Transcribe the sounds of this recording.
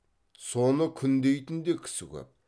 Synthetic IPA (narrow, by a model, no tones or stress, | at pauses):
sonəkʲʰʏnd̪ejt̪ɪnd̪ekʲʰɪ̥sɪkʲɵ̰p̚